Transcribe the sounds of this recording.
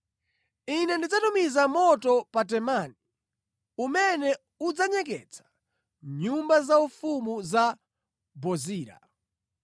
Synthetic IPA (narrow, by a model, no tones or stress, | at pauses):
inɛndid͡zatumizamɔtɔpat̬ɛmani | umɛnɛ | ud͡zaɲɛk̬ɛ̰t͡sʰḁ | ɲumbazaufumuza | bɔziːɾa̰